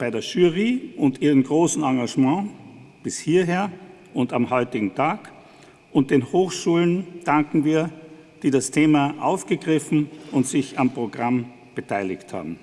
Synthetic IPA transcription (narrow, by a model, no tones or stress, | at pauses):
b̥aɪdeːɐʒyːʁiʔʊntʔiːʁənɡʁoːsn̩ɑ̃ːɡaʒmɑ̃ːb̥ɪshiːɐɦeːɐ | ʔʊntamhɔʏtɪɡŋ̩tʰaːk | ʔʊnt̚d̥eːnhoːxʃuːlənd̥aŋkŋ̩viːɐ | d̥iːdastʰeːmaʔaʊfɡ̥əɡʁɪfn̩ʊntz̥ɪçampʁ̥oɡʁam | b̥ətʰaɪlɪçtha̰ːbm̩